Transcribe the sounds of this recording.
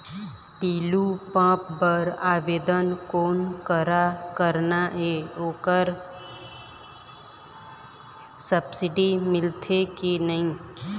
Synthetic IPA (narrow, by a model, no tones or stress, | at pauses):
t̪iːlupãːpbəɾaːʋeːd̪ənkoːnkəɾakəɾnaʔeoːkəɾ | səbsɪɖimɪlt̪ʰekinəɦĩ